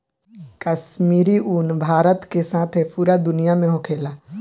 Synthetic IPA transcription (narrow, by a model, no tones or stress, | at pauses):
kəʃmiːɾiʔunbʱaːɾət̪kesaːt̪ʰɦɛpuːɾad̪ʊnijamẽɦokʰeːlaː